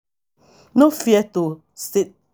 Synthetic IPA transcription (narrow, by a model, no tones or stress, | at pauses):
nofjɛto | set̚